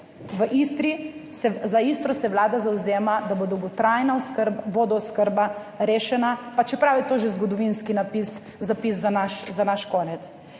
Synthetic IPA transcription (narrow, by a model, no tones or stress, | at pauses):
ʋəʔist̪ɾisɛzaist̪ɾɔsɛwlaːd̪azawzeːmad̪abod̪ɔwɡɔt̪ɾajnaɔskəɾbaboːd̪ɔɔskəɾba | ɾeːʃɛnapat͡ʃɛpɾawit̪oːʒezɡɔd̪ɔʋinskinapis | zapiszanaʃzanaʃkoːnɛt̪s